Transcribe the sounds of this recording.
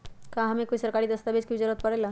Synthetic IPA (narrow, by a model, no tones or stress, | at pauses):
kãɦəmekoisəɾkaɾiːd̪əst̪abed͡ʒkibid͡ʒaɾət̪̚pəɽela